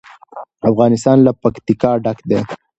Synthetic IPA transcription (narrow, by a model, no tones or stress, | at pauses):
afɣɑnɪst̪ɑnlapakt̪ikɑɖakd̪e